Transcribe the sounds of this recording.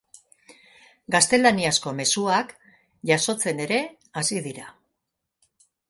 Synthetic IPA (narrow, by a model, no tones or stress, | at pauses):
ɡast̪e̞laniasko̞me̞suak | ʝaso̞t͡se̞ne̞ɾe̞ | asiðiɾa